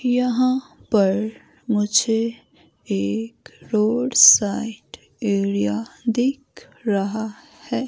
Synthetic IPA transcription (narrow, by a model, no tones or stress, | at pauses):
jəɦãpəɾ | mʊd͡ʒʱe | eːkɾoːɖsaɪʈ | eːɾijad̪ekʰ | ɾəɦa | hɛː